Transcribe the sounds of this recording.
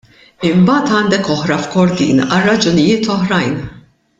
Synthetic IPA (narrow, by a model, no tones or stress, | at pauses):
ɪmbɐːt̪ɐːnd̪ɛkɔħɾɐfkɔɾd̪ḭːnɐrːɐd͡ʒʊnɪjɪːt̪ɔħɾɐjn